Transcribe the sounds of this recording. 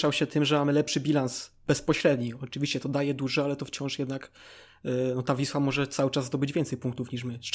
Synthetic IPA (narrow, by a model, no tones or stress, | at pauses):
ʂawɕɛt̪ɘmʐɛmamɘlɛpʂɘbʲilans | b̥ɛspɔɕɾɛd̪ɲiɔt͡ʂɨvʲiɕt͡ɕɛt̪ɔd̪ajɛd̪uʐɛalɛt̪ɔft͡ɕɔ̃ʂjɛd̪nak | nɔt̪avʲiswamɔʐɛt̪sawɘt͡ʂazd̪ɔbɘd͡ʑvʲjɛnt̪sɛjpuŋkt̪ufɲiʂ̬mɘ